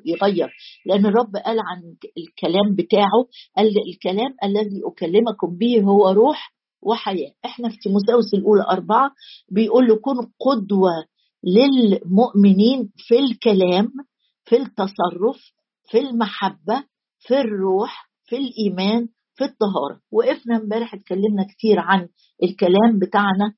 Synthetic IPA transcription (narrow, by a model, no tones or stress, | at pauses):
jeɣæjːɑɾˤleʔænːerˤːɑbːʔæːlʕanlkælæːmbɪt̪aːʕoʔællkælæːmʔælːæðiːʔokælːemækombiːɦowːæɾˤuːħ | wʔɪħajæːʔeħnæfi̥mʊs̬æːwesælʔuːlæʔɑɾˤbɑʕɑbejʔuːlːækuːnqod̪wæ | lɪlmoʔmɪniːnfilkælæːm | fit̪ːɑsˤɑrˤːof | filmaħabːæ | firːuːħ | filʔiːmæːn | fit̪ˤːɑɦɑ̰ːɾˤɑ̰weʔefnæmbæːɾeħet̪̚kælːemnækt̪iːɾʕan | ʔelkælæːmbet̪aʕnæ